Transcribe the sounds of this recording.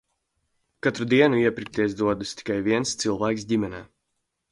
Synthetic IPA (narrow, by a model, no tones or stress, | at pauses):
kat̪ɾud̪iɛnuiɛpʲɾik̚t̪ʲiɛs̬d̪uɔd̪usʲt̪i̥kajvʲiɛnst̪sɨlˠvæːks̬dʲimʲɛnʲɛː